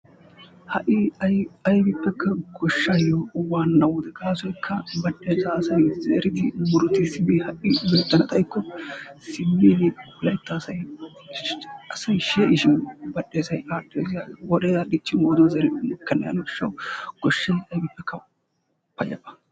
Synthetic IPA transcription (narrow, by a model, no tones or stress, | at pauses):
hɐʔɪɐjɐjbɪpːɛkʰːɐɡɔʃːajɔwaːnːɐwʊd̪ɛɡaːsɔjkʰːɐbɐɗːeːzasɐjzḛːɾɪd̪ɪmʊɾʊt̪ːɪsɪbɪhɐʔɪbɛt̪ːɐnɐt̪ʼɐjkːɔsɪmːilɪ | lɐjt̪ːɐːsɐj | ɐsɐjʃeːʔɪʃɪnbɐɗːeːsɐjaːdeːswɔd̪eːzadɪt͡ʃːɪnwoːd̪ɔzɛːɾɪnʊkːɐnːɐ̰jɐ̰nɔʃːɐ̰wɡ̥ɔʃːɐjɐjbɪpːɛkʰːɐ | pːɐjɐ̰pːɐ̥